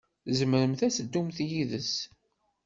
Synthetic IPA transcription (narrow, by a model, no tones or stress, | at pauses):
zəməɾəmθæsəd̪ːumθjiðəs